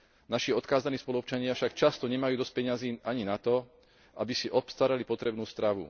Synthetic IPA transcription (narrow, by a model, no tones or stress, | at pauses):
naʃiɔt̪kaːzaniːspɔluɔpt͡ʃaɲɪafʃakt͡ʃast̪ɔɲɛmajuːd̪ɔsc̚pɛɲaziːʔaɲinat̪ɔ | ʔabisiʔɔpst̪aːɾalipɔt̪ɾɛbnuːst̪ɾaʋṵ